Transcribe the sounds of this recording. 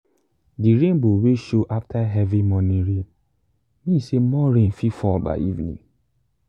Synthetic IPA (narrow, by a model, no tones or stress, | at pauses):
diɾẽnboweʃoʔaftaɦɛvimɔnĩɹẽn | mĩsemɔɹẽnfifɔlba̰ɪivnḭ̃